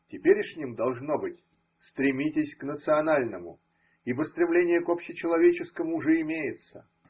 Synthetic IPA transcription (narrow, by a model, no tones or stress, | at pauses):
tʲɪpʲeɾʲɪʂʲnʲimd̪ɐlˠʐno̞bɨtʲ | st̪ɾʲɪmʲitʲɪsʲknət̪sɨɐnalʲnəmʊ̰ | ibəst̪ɾʲɪmlʲenʲɪjəkopɕːɪt͡ɕɪlˠɐvʲet͡ɕɪskəmʊːʐɛɪmʲejɪt̪sə